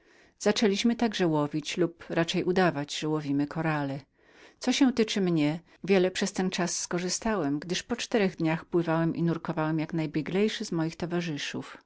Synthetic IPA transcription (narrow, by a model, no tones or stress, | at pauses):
z̥at͡ʂɛlʲiɕmɘt̪aɡʐɛwɔvʲit͡ɕlupɾat͡ʂɛjʔud̪avad͡ʑʐ̥ɛwɔvʲimɘkʰɔɾalɛ | sɔɕɛ̃w̃t̪ɘt͡ʂɘmɲɛ | vʲjɛlɛpʂɛst̪ɛnt͡ʂasːkɔʐɘst̪awɛmɡd̪ɘʂpɔt͡ʂt̪ɛɾɛɣd̪ɲaxpwɘvawɛmʔḭnuɾkɔvawɛmjaknajbʲjɛɡlɛjʂɘzmɔjixt̪ɔvaʐɘʂṵf